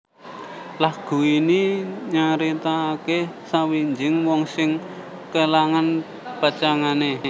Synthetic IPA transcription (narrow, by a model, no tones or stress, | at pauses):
lahɡ̥uiniɲaɾit̪akesawiɲd͡ʒɪŋwɔŋsɪŋ | kəlaŋan | pət͡ʃaŋane